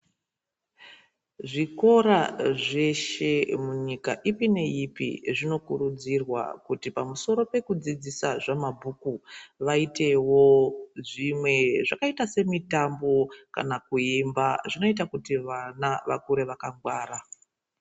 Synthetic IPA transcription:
ʐiko̞ɾaʐe̞ʃe̞muɲika̰ʔipine̞ipḭʐino̞kuɾud͡zirwa̰kutipamuso̞ɾo̞pe̞kud͡zid͡zisaʐamabʱukuʋaite̞woʐimwe̞ʐakaitase̞mitambo̞ka̰nakuimbaʐino̞itakutiʋanaʋa̰kuɾe̞ʋakaŋɡwaːɾa

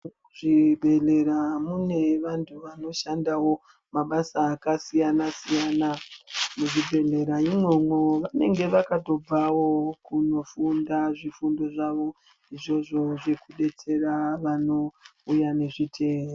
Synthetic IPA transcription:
ʐibʱe̞ɮe̞ɾamune̞ʋantʰuʋano̞ʃandawo̞ | maɓasaːkasijanasijaːnamuʐibʱe̞ɮe̞ɾaimwo̞mwoʋane̞̰ŋɡe̞ʋakato̞b͡vawo̞kuno̞fundaʐifundo̞ʐaʋo̞ | iʐo̞ʐo̞ʐe̞kuɗe̞t͡se̞raʋano̞ujane̞ʐitʰe̞ːo

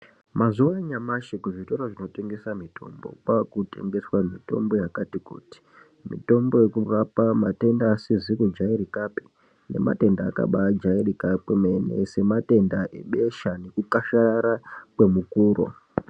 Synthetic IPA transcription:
mazuwaɲamaʃikuʐito̞ɾoʐino̞te̞ŋɡe̞samitʰo̞̰mbo̞̰kwakute̞̰ŋɡe̞swamito̞̰mbo̞jakatikṵːti̥ | mḭto̞mbo̞je̞kuʋapamate̞ndaːsizikud͡ʒaiɾikapi̥ | ne̞̰ma̰te̞ndaːka̰ɓad͡ʒairikapemenḛse̞mate̞ndaʔḛɓe̞ʃane̞kukaʃaɾakwe̞mukuːɾo̰

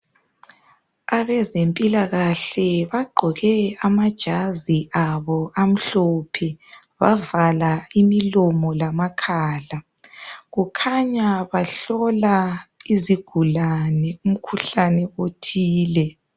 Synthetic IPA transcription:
aβɛzempʼilaɣaɬɛβaɡ͡ǃʱɔɣɛamad̥ʒ̥ʱaziʔaβɔʔam̩ɬɔpʰɛ | βavalaimilɔmɔlamakʰaːla | ɣukʰaɲaβaɬɔlaiziɡ̥ʱulanɛum̩kʰuɬanɛotʰiːlɛ

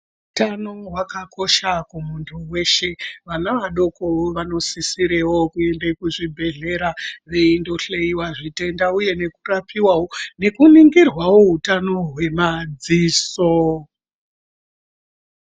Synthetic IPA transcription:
utano̞ɦwakako̞ʃakumuntʰuwe̞ʃe̞ʋanaʋaɗo̞ko̞ʋano̞sisiɾewo̞kue̞ndekuʐibʱe̞ɮe̞ɾaʋe̞indo̞ɬeiwaʐite̞ndauje̞ne̞kurapʰiwawone̞kuniŋɡirwawoɦutano̞ɦwe̞mad͡ziːso

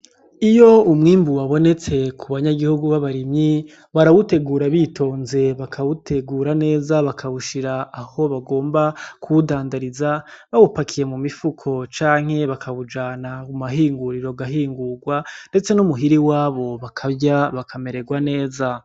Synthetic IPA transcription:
ijo̞umŋiːmbuwaβo̞ne̞t͡se̞kʰuβaɲaɡihuɡuβaβaɾimɲi | βaɾawute̞ɡuːɾaβitʰo̞ːnze̞βakʰawute̞ɡuːɾane̞ːzaβakʰaβuʃiɾaːho̞βaɡo̞ːmbakuudaːndaɾizaβawupakʰije̞mumifukʰo̞t͡ʃaːŋ̥he̞βakʰaβud͡ʒaːnaumaɦiːŋɡuɾiɾo̞ɡaɦiːŋɡuɡwande̞t͡se̞numuɦiɾiwaːβo̞βakʰabɟaβakʰame̞ɾe̞ɡwane̞ːza

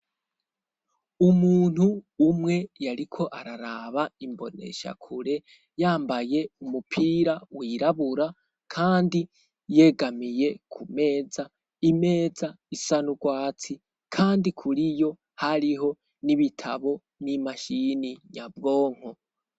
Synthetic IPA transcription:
umuːn̥huːmŋe̞jaɾikʰo̞ʔaɾaɾaβaimbo̞ne̞̰ʃa̰kʰuɾe̞ | jaːmbaje̞umupʰiːɾawiːɾaβuɾa | kʰaːndi | je̞ɡamije̞kʰume̞ːza | ime̞ːza | isanuɡwaːt͡si | kʰaːndikʰuɾijo̞ | haɾiɦo̞ | niβitʰaβo̞ | nimaʃiniɲab̚ɡo̞ːŋ̥ho

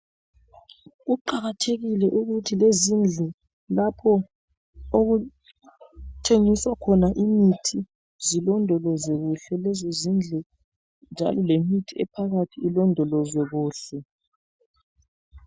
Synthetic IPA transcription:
ɣuǃaɣatʰeɣilɛʔuɣutʰilezind͡ɮʱɛ | lapʰɔ | oɣu | tʰeŋiswakʰɔnaʔimitʰi | zilɔndʱɔlɔzwɛɣuɬɛlɛzozind͡ɮʱɛ | nd͡ʒʱa̰lɔlemitʰiɛpʰaɣatʰiːlɔndʱɔlɔzwɛɣuːɬɛ

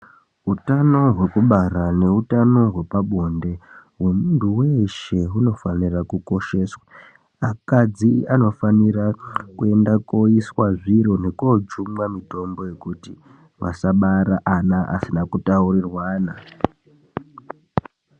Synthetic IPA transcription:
ɦutano̞ɦwe̞kuɓarane̞utano̞ɦwe̞paɓo̞nde̞ɦwe̞muntuweʃe̞ɦuno̞fanirakuko̞ʃe̞swḁː | kad͡ziano̞fanirakue̞ndako̞iswaʐiɾo̞ne̞kod͡ʒumwamito̞mbo̞je̞kuti | ʋa̰saɓaɾaʔanaʔa̰sinakutaurirwaːna

